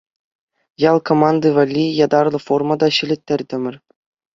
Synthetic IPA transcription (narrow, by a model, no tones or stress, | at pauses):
jɑlˠkʰomɑnd̪ɤvɑlʲːijɑd̪ɑrlˠɤ̆formɑd̪ɑɕɘ̆lʲɘ̆t̪ʲːɘ̆rʲt̪ʲɘ̆mʲɘ̆rʲ